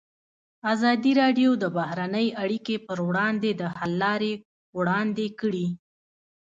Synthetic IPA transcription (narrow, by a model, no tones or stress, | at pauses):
azɑd̪iɾɑɖjod̪əbahɾanəjaɽikepəɾwɽɑnd̪ed̪əhalːɑɾe | wɽɑnd̪ekəɽi